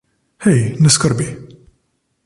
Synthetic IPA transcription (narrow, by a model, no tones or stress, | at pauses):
hijnəskəɾˤbi